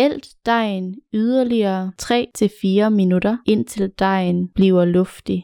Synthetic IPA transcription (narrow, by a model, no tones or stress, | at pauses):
el̰d̥ːɑ̈ɪ̰nyð̞ˠɐliɐːt͡sʰʁɛ̰ːt͡sʰe̝fiːɐminudɐe̝n̰t͡sʰe̝ld̥ɑ̈ɪ̰nb̥liːʊɐlɔ̽fd̥i